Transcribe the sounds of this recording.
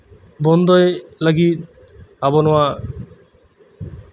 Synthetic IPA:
bɔnd̪ojelaɡi | abonowa

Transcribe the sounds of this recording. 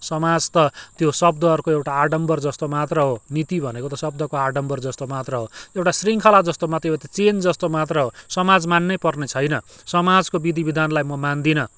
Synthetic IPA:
sʌmad͡zt̪ʌt̪josʌb̚d̪ʱʌːɾukoewʈaaɖʌmbʌrd͡zʌst̪omat̪rʌɦonit̪ibʱʌnekot̪ʌsʌb̚d̪ʱʌkoaɖʌmbʌrd͡zʌst̪omat̪rʌɦoewʈasriŋkʰʌlad͡zʌst̪omat̪ʌet̪at͡send͡zʌst̪omat̪rʌɦosʌmad͡zmanːʌjpʌrnet͡sʰʌjnʌ | sʌmad͡zkobid̪ʱibid̪ʱanlajmʌmand̪inʌ

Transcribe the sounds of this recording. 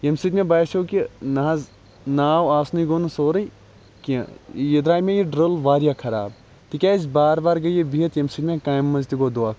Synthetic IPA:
jɐmsid̪mẽbaːʃoːkinɐɦz | naːwaːsnɐiɡoːnusoːɾɐi | kḭ̃jɐd̪ɾaːmẽjiɖɾɐlʋaːɾijakʰɐɾa̰ːb | t̪ikʲaːzbaːɾbaːɾɡɐjebʱiːɐt̪jɐmsit̪mẽkaːjmːɐzt̪iɡoːd̪uaːk

